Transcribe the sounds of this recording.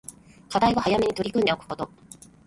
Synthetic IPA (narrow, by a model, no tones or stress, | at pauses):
kad̪aiβahajame̞ɲ̟it̪o̞ɾʲikɯ̃nd̪eokɯ̟̥ko̞t̪o̞